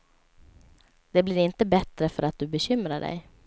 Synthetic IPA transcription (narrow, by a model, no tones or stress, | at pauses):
d̪̥ɛblɪɾɪnt̪əbɛt̪ɾəfœɾat̪̚d̪ɵbɛɕʏmɾaɖɛ̰j